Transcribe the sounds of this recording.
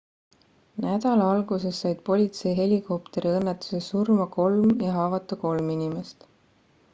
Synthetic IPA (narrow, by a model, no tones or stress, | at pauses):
næd̪̥ɑlɑɑlɡ̥use̞sːɑjd̪̥̚po̞lʲit̪se̞jɦe̞lʲiko̞pt̪e̞ɾiɤnːet̪ːˑu̥se̞ssurmɑko̞lmjɑɦɑːvɑt̪ːˑɑko̞lminime̞st̪